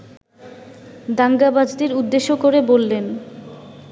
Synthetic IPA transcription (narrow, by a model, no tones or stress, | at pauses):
d̪aŋɡabad͡ʑd̪eɾud̪ːeʃokoɾebolːen